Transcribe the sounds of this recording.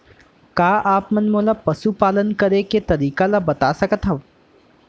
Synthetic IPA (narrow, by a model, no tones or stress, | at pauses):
kaːʔaːpmɐnmoːlapɐsupaːlənkɐɾeket̪ɐɾiːkalabɐt̪asɐkət̪ɦɐʋ